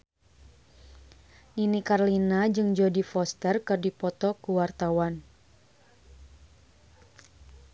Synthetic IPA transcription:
ninikarlinad͡ʒɨŋd͡ʒɔdifɔst̪ərkɨrdipɔt̪ɔkuwart̪awan

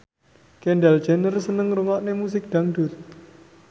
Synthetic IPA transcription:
kɛɳɖald͡ʒɛnərsənəŋrəŋɔʔnemus̬ɪk̚d̪̥a̤ŋɖʊ̤r

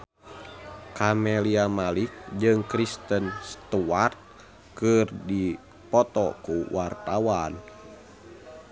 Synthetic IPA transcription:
kamɛliamalik̚d͡ʒɨŋkɾist̪ənst̪uart̪̚ | kɨrdi | pɔt̪ɔkuwʔart̪awan

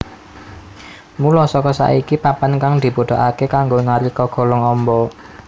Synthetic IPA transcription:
mulɔsɔkɔsa̰ikipapankaŋd̪̥i̤pod̥̪o̤ʔakekaŋɡoŋaɾikɔɡ̥ɔ̤lɔŋɔmbɔ

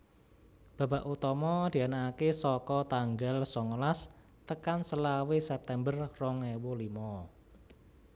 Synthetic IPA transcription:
b̥a̤ba̤ʔut̪ɔmɔd̪̥i̤anaːkesɔkɔt̪aŋɡalsɔŋəlas | t̪əkansəlawesɛp̚t̪ɛmbərrɔŋewolimɔ

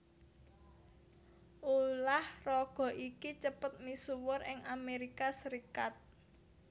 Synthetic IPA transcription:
ʔulahrɔɡ̥ɔ̤ʔikit͡ʃəpʊt̪̚misuwʊrɪŋameɾikasəɾikat̪̚

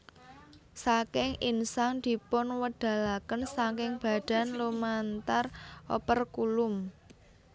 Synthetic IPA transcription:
sakɪŋinsaŋd̪̥i̤pʊnwəɖ̥a̤lakənsaŋkɪŋb̥a̤ɖ̥a̤nlomant̪arɔpərkulʊm

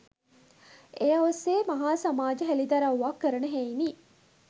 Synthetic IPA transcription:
ejɐʋɐseːmɐɦaːsɐmaːd͡ʒɐɦælid̪ɐɾauʋakːɐɾɐnəɦeini

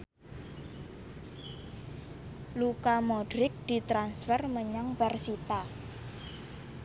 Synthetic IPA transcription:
lukamɔɖɾɪk̚d̪̥i̤t̪ɾansfərməɲaŋbarsit̪a

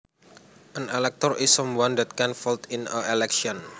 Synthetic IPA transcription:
ʔənelɛk̚t̪ɔrʔisːɔ̃mwãndɛt̪̚kɛnfɔlt̪inəelɛkʃiɔn

